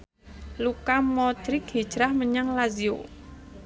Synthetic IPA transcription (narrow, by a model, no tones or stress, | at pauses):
lukamɔd̪̥ɾɪkhid̥ʒ̥ɾahməɲaŋlazio̰